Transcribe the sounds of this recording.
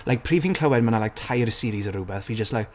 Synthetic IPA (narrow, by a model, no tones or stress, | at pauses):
lʔaɪjk̚pʰr̥iːvɪ̃ŋkʰl̥əwɛd̚mənalajk̚tʰajɾəsiːɾizəɾuːbɛθid͡ʒəstlajk